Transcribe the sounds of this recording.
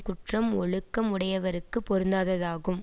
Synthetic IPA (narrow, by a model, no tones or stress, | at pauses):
kʊʈrɐmɔɭɯkːɐmʊɽɐjɐʋɐɾɯkːɯpːɔɾɯnd̪aːðɐðaːɣɯm